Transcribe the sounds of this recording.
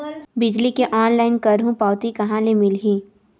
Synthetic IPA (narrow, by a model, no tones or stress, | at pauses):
bɪd͡ʒlikeʔɔːnlaːɪnkɐɾɦũpaːʊt̪ikɐɦãlemɪlɦĩː